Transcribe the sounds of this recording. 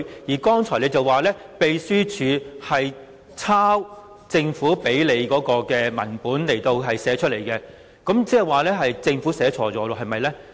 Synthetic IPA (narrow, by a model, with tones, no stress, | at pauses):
jiː˨˩kɔː˥ŋt͡ʃʰɔː˨˩jle˨˧jt͡sɐ˨waː˨˩lɛː˥ | pe˨˧jsyː˥t͡ʃʰyː˨˧hɐ˨j | t͡sʰaː˥w | t͡sɪ˧ŋfuː˨˥pe˨˥jle˨˧jkɔː˨˧˥kɔː˧kɛː˧mɐ̰˨˩npuː˨˥nle˨˩jt̪o˧wɦɐ˨jsɛː˨˥t͡ʃʰɵ˥le˨˩jkɛː˧ | kɐ˨˥mt͡sɛː˥˨˩waː˨˩lɛː˥ɦɐ˨jt͡sɪ˧ŋfuː˨˥sɛː˨˥t͡ʃʰɔː˨˥t͡sɔː˨˥lo˧ɦɐ˨jmɐ˨jlɛː˥